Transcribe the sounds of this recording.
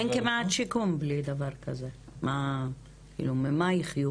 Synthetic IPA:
enkemeat̪ʃikumblid̪avaʁkaze | ma | kḭːlumemajiχju

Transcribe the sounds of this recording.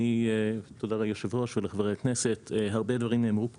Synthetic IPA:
it̪odalejoʃevʁo̞ʃveleχavʁejaknese̞teɦaʁbe̞dvaʁimneːmʁup

